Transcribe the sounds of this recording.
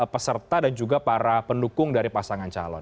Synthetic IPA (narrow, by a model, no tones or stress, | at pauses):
pəsərt̪adand͡ʒuɡapaɾapəndukʊŋdaɾipasaŋant͡ʃa̰lɔ̰n